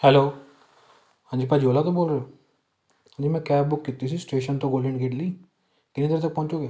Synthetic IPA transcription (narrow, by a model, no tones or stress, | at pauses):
hɛloː | hãːɲd͡ʒiːpaːd͡ʒioːlaːt̪õːboːlɾeoː | ãːɲd͡ʒiːmɛ̃ːkɛːb̚bʊkːɪt̪ːis̬iːsʈeːʃənt̪õːɡoːlɪ̃ɳɖkeːɖliː | kɪniːd̪əɾ̃t̪̬ək̚pɔ̃ːɲt͡ʃoːɡeː